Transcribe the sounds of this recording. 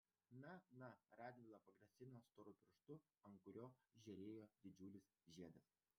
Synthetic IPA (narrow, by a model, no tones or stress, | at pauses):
nɐnɐɾɑːd̪ʲʋʲɪlˠɐpɐɡɾɐsʲɪnɐst̪oːɾʊpʲɪɾʃt̪ʊ | ɐŋkʊɾʲoːʒʲɛɾʲeːjoːd̪ʲɪd͡ʒʲuːlʲɪsʒʲiɛd̪ɐs